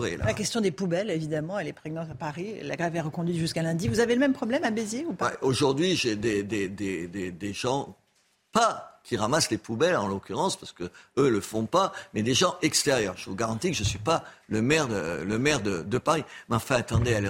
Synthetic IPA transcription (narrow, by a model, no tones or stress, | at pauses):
ʁealakʲɛst̪jɔ̃d̪epubɛlevid̪amɑ̃ɛlɛpχeɡnɑ̃t̪apaʁila̰ɡʁɛvɛʁəkɔ̃d̪ɥit̪ʒyskalɛ̃d̪ivuzaveləmɛmpχɔblɛmabezeupaaoʒuʁd̪ɥiʒed̪ed̪ed̪ed̪ed̪eʒɑ̃ | pakʲʰiʁamaslepubɛlɑ̰̃lokʲyʁɑ̃spaʁsə̥kəøləfɔ̃pamɛd̪eʒɑ̃ʔɛkst̪eʁjœʁʒəvuɡaʁɑ̃t̪ikəʒəsɥipaləmɛʁd̪ə̰ləmɛʁd̪əd̪əpaʁimeɑ̃fɛ̃at̪ɑ̃d̪eal